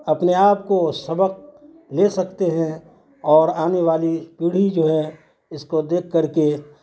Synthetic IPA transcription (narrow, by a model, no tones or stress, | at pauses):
ɐpneaːpkosɐbəq̚ | leːsɐkt̪eɦɛ̃ | ɔːɾaːneʋaːlipiːɽ̤id͡ʒoːɦɛ | ɪskod̪eːkʰːɐɾke